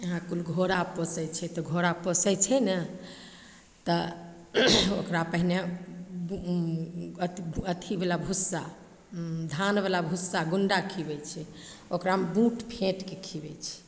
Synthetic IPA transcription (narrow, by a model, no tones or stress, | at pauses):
ɦãkulɡʱoɾapəsɛjt͡ʃʰɛt̪ɔɡʱoɾapəsɛt͡ʃʰɛnə | t̪ɔ | okɾapəɦine | t̪ət̪ʰibelabʱusːa | d̪ʱanbelabʱusːaɡuɳɖakʰibɛt͡ʃʰɛ | okɾambũʈʰpʰẽʈkekʰibɛ̰t͡ʃʰɛ̥